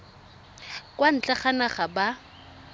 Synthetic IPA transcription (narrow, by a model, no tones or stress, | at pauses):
kʼwan̩t͡ɬʼaχanaχaba